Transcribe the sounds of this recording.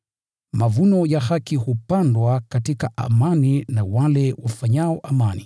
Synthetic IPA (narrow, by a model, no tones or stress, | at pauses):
mavunɔjahakihupandwakatikaʔa̰maninawalɛwafaɲaɔʔamani